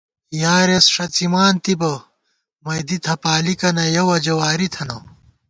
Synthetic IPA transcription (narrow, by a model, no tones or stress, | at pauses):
jaːɾesʂɐt͡simaːnt̪ibɐ | mɐjd̪it̪ʰɐpaːlikɐnɐjɐwɐd͡ʑɐwaːɾit̪ʰɐnɐ